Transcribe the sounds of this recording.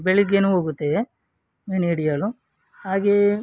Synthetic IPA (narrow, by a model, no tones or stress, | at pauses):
beɭiɡenuoːɡut̪ːe | meniɽijaɭu | haːɡe